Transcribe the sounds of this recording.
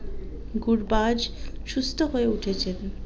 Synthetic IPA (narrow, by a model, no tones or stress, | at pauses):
ɡuɾbad͡ʑʃust̪ʰoɦoeuʈʰet͡ɕʰen